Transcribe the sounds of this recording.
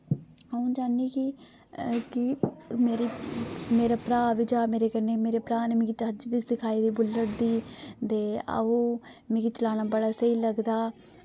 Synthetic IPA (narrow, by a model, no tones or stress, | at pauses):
aũːd͡ʒaːniːkɪ | kɪmeːɾiːmeːɾaːpɾaːʋid͡ʒaːmeːɾeːkəneːmeːɾeːpɾaːnemĩːkit̪ad͡ʒʋiːsɪkʰaːiːd̪iːbʊlːəɽd̪iːt̪eːə̰ũː | mĩːkit͡ʃəlaːnaːbəɽaːsəiːləɡd̪aː